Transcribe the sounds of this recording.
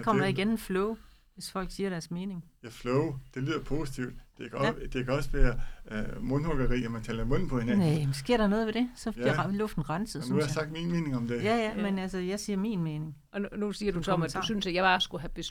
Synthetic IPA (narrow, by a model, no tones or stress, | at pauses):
ɑkʰɒ̽m̰ɐɑiɡ̥enmeflɔʊ | ʋe̝sfɒ̽l̰ɡ̥siːɐɾæɐsme̝ːne̝ŋjæflɔʊd̥e̝liːðˠɐpʰo̝ːsit͡sʰiʊd̥d̥e̝kʰd̥e̝kʰæɒ̽səʋæːɐ | mɔ̽nhoɡ̥ɐʁḭːæmænt͡sʰɛːlɐmɔ̽n̰n̩pʰɒ̽he̝nænemsɡ̥e̝ɐ̰ɾ̥ɐno̽ːð̞̩ˠʋe̝ɾ̥e̝sɒ̥̽iɐ̰lɔfd̥n̩ʁɑ̈nsəð̩ˠynuhsɑjsɑ̈ɡ̥d̥minme̝ːne̝ŋɒ̽md̥ejæjæmenælsəjɑ̈ɪsiːɐmḭnme̝ːne̝ŋ | ɒnusiːɐd̥usɒɒmæ̥dusynsæjab̥ɑ̈ːsɡ̥uɦæb̥e